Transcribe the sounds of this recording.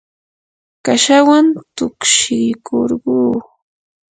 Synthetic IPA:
kaʃawant̪ʊkʃɪjkʰoɾɢuː

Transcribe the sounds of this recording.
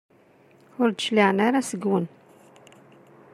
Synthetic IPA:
ʊɾd̪ʃliʕənaɾasəɡwən

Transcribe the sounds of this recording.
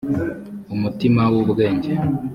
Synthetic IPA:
umutimawoβɡe̞ːɲɟe

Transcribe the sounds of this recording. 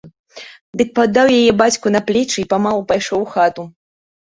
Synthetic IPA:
d̪ɨk̚pad̪ːawjajɛbat͡sʲkunɐplʲɛt͡ʂɨipamalˠupajʂɔwxat̪u

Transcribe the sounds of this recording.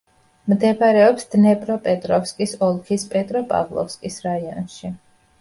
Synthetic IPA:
md̪ɛpaɾɛɔpsd̪̥nɛpʼɾɔpʼɛt̪ʼɾɔfskʼisɔlˠkʰispʼɛt̪ʼɾɔpʼa̰vlˠɔ̰fskʼisɾaiɔ̰nʃi

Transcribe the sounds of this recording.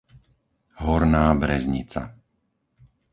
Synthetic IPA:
ɦɔɾnaːbɾɛzɲḭt͡sa̰

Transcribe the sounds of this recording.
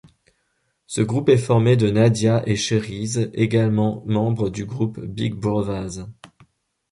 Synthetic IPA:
səɡʁupɛfɔʁmed̪ənad̪jaʔeʃəʁizeɡalmɑ̃mɑ̃bʁəd̪yɡʁupbiɡ̚buʁvaz

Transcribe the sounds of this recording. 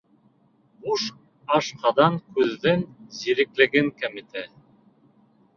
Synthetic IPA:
buʃ | ɑʃqɑd̪ɑŋkʉðːɘnziɾɘ̆klɘ̆ɡɘŋkomit̪ʰæ

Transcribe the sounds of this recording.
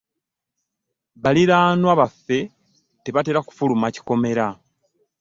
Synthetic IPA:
βaliɾaːnwaβafːe̞ | te̞βate̞ɾaku̥fulumaci̥ko̞me̞ɾa

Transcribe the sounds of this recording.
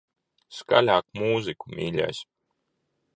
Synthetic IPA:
ska̰lʲaːkmuːzikumʲiːlʲɛ̰sʲ

